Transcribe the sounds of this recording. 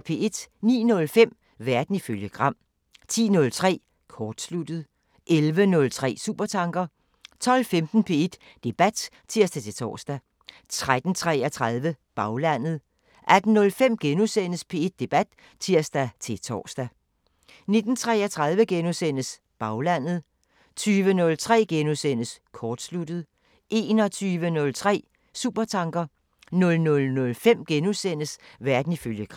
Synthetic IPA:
pʰe̝ʔe̝d̥nḭːnɔ̽lfem̰ | ʋæɐd̥n̩iføljəɡ̥ʁɑ̈m̰ | t͡sʰḭːnɔ̽lt͡sʰʁɛ̰ː | kʰɒːd̥slud̥ð̞̩ˠ | ʔelʋənɔ̽lt͡sʰʁɛ̰ːsṵːb̥ɐt͡sʰɑ̈ŋɡ̥ɐ | t͡sʰɒ̽l̰femd̥n̩pʰe̝e̝d̥ːe̝b̥æd̥ | t͡sʰiɐd̥æt͡sʰe̝t͡sʰɒ̰ːsd̥æ | t͡sʰʁad̥n̩t͡sʰʁɛɐt͡sʰʁað̞ˠʋəb̥ɑ̈ʊlæn̰ð̞̩ˠ | ʔæd̥n̩ːɔ̽lfem̰ɡ̥enusen̰əspʰe̝e̝d̥̚ːe̝b̥æd̥ | t͡sʰiɐ̰sd̥æt͡sʰe̝t͡sʰɒ̰ːsd̥æ | ne̝d̥n̩t͡sʰʁɛːɐt͡sʰʁað̞ˠʋəɡ̥enusen̰əs | b̥ɑ̈ʊlæn̰ð̞̩ˠ | t͡sʰyːʋənɔ̽lt͡sʰʁɛ̰ːɡ̥enusen̰əskʰɒːd̥slud̥ð̞̩ˠ | ʔe̝ːnɒ̽t͡sʰyːʋənɔ̽lt͡sʰʁɛ̰ː | sṵb̥ɐt͡sʰɑ̈ŋɡ̥ɐ | nɔ̽lnɔ̽lnɔ̽lfem̰ɡ̥enusen̰əsʋæɐd̥n̩iføljəkʰʁ

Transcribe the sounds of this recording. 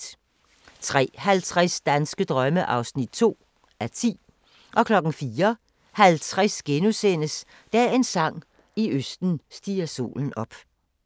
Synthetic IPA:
t͡sʰʁɛ̰ːhælt͡sʰʁasd̥ænsɡ̥əd̥ʁɶməʔɑ̈ʊsnid̥̚t͡sʰo̝̰ː | æɐt͡sʰḭː | ʔɒ̽kʰlɒ̽ɡ̥n̩fiːɐ | hælt͡sʰʁɛsɡ̥enusen̰əs | d̥æe̝nsɑ̈ŋ̰ | iøsd̥n̩sd̥ḭːɐso̝̰ːln̩ɒ̽b̥

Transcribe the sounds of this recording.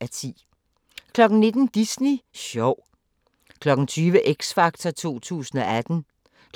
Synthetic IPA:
æt͡sʰḭː | kʰlɒ̽ɡ̥n̩ne̝d̥n̩d̥isniɕɒʊ̰ | kʰlɒ̽ɡ̥ŋ̩t͡sʰyːʋəʔeɡ̥sfɑ̈ɡ̥̚t͡sʰɐt͡sʰo̝̰ːt͡sʰṵːsn̩ɒʔæd̥n̩ | k

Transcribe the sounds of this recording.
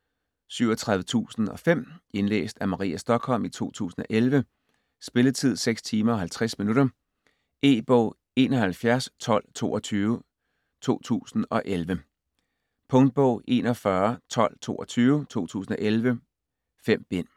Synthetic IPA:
syʊ̰ɒt͡sʰʁɑ̈ðˠʋət͡sʰṵːsn̩ɒ̽fem̰e̝nlḛːsd̥æmɑ̈ʁḭːæsd̥ɒ̽ɡ̥ʰhɒ̽l̰mit͡sʰo̝̰ːt͡sʰṵːsn̩ɒ̽ʔelʋə | sb̥e̝lət͡sʰið̞̰ˠseɡ̥st͡sʰiːmɐɒ̽ɦælt͡sʰʁasminuɾ̥ɐ | e̝̰ːb̥ɔ̰̽ʊ̰ | e̝̰ːnɒ̽hælfjæɐst͡sʰɒ̽l̰t͡sʰo̝̰ːʔɒ̽t͡sʰyːʊ | t͡sʰo̝̰ːt͡sʰṵːsn̩ɒ̽ʔelʋə | pʰɔ̽ŋd̥̚b̥ɔ̰ʊ̰ʔe̝ːnɒ̽fɶɐt͡sʰɒ̽l̰t͡sʰo̝̰ːʔɒt͡sʰyːʊt͡sʰo̝̰ːt͡sʰṵːsn̩ɒ̽ʔelʋə | fem̰b̥e̝n̰

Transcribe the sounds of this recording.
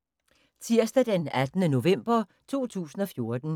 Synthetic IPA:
t͡sʰiɐ̰sd̥æd̥enæd̥nəno̝ʋem̰b̥ɐt͡sʰo̝̰ːt͡sʰṵːsn̩ɒ̽fjo̝ɐd̥n̩

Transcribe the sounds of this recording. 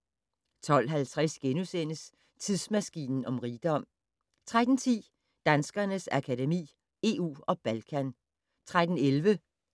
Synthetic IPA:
t͡sʰɒ̽l̰ɦælt͡sʰʁasɡ̥enusen̰əs | t͡sʰiðˠsmæsɡ̥ḭːnn̩ɒ̽mʁiːd̥ɒ̽m̰ | t͡sʰʁad̥n̩t͡sʰḭː | d̥ænsɡ̥ɐnəsækʰædemḭː | e̝ṵːɒ̽b̥ælkʰæn | t͡sʰʁad̥n̩elʋə

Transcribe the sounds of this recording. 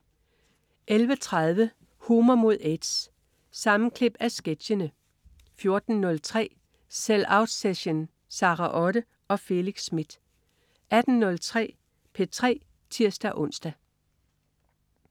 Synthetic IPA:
ʔelʋət͡sʰʁɑð̞ˠʋə | huːmɐmo̝ð̞̰ˠed̥s | sɑ̈mn̩kʰle̝b̥æsɡ̥ed̥ɕənə | fjo̝ɐd̥n̩ːɔ̽lt͡sʰʁɛ̰ː | selɑ̈ʊd̥seɕon | sɑ̈ːʁɑʔɒ̽ɾə | ɒ̽fe̝liɡ̥sːmid̥ | ʔæd̥n̩nɔ̽lt͡sʰʁɛ̰ː | pʰe̝t͡sʰʁɛ̰ː | t͡sʰiɐ̰sd̥æʔɔ̽n̰sd̥æ

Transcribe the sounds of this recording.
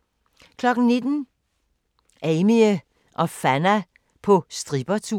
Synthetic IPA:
kʰlɒɡ̥n̩ned̥n̩ | ɛɪmiə | ʔɒfænæ | pʰɔ̽sd̥ʁib̥ɐt͡sʰṵ

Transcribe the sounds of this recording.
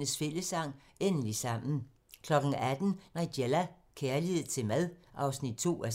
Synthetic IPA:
nəsfe̝ləsɑ̈ŋ̰ | enəlisɑ̈m̰n̩ | kʰlɒ̽ɡ̥ŋ̩æd̥n̩nɑ̈ɪd̥elæ | kʰeːɐlieð̩ˠt͡sʰe̝lmæðˠʔɑ̈ʊsnid̥̚t͡sʰo̝̰ːæ

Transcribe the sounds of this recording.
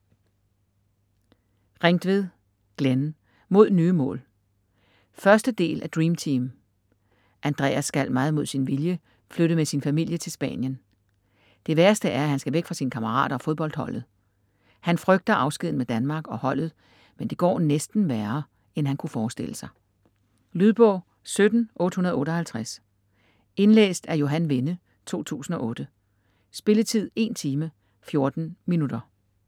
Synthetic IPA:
ʁeŋd̥ʋe̝ðˠ | ɡ̥len | mo̝ð̞̰ˠnyːəmɔ̰̽ːl | fɶɐsd̥əd̥e̝̰ːlʔæd̥ʁiːmt͡sʰiːm | ʔænd̥ʁɛ̰ːæsːɡ̥æl̰mɑ̈ːð̞̩ˠmo̝ð̞̰ˠsinʋiljə | fløɾ̥əmesinfæmil̰jət͡sʰe̝lsb̥ɛ̰ːnjən | d̥e̝ʋæɐsd̥əʔæɐæhænsɡ̥æʋeɡ̥fʁɑ̈siːnəkʰɑmɐʁɑ̰̈ːɾ̥ɐɒ̽foð̞ˠb̥ɒ̽ld̥hɒ̽l̰ð̞̩ˠ | hænfʁœɡ̥̚d̥ɐʔɑ̈ʊsɡ̥ið̰ˠn̩med̥ænmɑ̈ːɡ̥ɒ̽hɒ̽l̰ð̞̩ˠ | mend̥e̝ɡ̥ɒ̰ːnesd̥n̩ʋæːɐ | enɦænkʰufɒːsd̥e̝l̰əsɑ̈ɪ | lyðˠb̥ɔ̰̽ʊ̰ | sød̥n̩ʔɔ̽ːd̥əhunɐðˠɔ̽ːɾɒ̽hælt͡sʰʁas | e̝nlḛːsd̥æɐjo̝ɦænʋe̝nə | t͡sʰo̝̰ːt͡sʰṵːsn̩ɒ̽ʔɔ̽ːd̥ə | sb̥e̝lət͡sʰið̞̰ˠe̝nt͡sʰiːmə | fjo̝ɐd̥n̩minud̥ɐ

